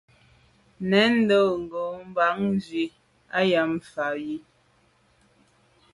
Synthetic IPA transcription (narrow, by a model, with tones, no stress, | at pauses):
nɛ˨˦n̩˦do˦˨ŋ̩˨ɡo˨m̩˦ba˨˦ŋn˦zɥi˨ | a˦ja˨˦m˨fa˨ji˦